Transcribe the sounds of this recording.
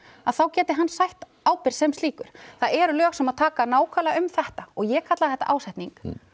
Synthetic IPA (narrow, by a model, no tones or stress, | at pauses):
aðθawcɛːt̪ɪɦanːsajht̪ | aːwpɪɾ̥sɛmst̪liːkʏɾ̥θaðɛɾʏlœːxsɛmaðt̪ʰaːkanaːwkʰalaʏmθɛht̪aɔɣjɛkʰat̪laðθɛht̪ːaʔaːwsajht̪niŋk